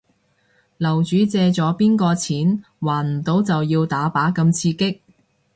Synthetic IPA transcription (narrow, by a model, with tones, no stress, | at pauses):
lɐ˨˩wt͡ʃyː˨˥t͡sɛː˧t͡sɔː˨˥piː˥nkɔː˧t͡sʰiː˨˥n | waː˨˩nm̩˨˩t̪o˨˥wt͡sɐ˨wjiː˧wt̪aː˨˥paː˨˥kɐ˧mt͡sʰiː˧kɪ˥k̚